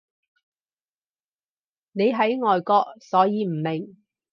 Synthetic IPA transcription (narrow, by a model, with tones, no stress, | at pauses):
ne˨˧jɦɐ˨˥jŋɔː˨jkɔː˧k̚sɔː˨˥jiː˨˧m̩˨˩mɪ˨˩ŋ